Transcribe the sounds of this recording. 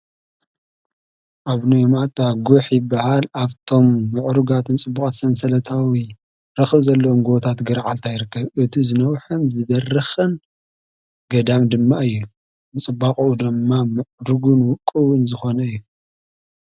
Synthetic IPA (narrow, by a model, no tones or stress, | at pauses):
ʔaβnujmat̪ʼaɡuħjɪbːahalaβt̪ʰo̞mːɨʕɾuɡat̪ʰɨnt͡sʼɨbːuk̪ʼsɐnsɐlɐt̪ʰawi | ɾɐxɨβzɐlːɐwomɡot̪ʰat̪ɡɨɾʕalt̪ʰajɾɨkːɐβʔɨt̪ʰizɨnɐwħɨnzɨβɐrɨxɨn | ɡɐd̪amd̪ɨmːaɨjːu | mɨt͡sʼɨbaχʼuʔud̪ɨmːamɨʕɾuɡunwʊkʼːɨwʊnzɨxo̞nɐɨjːu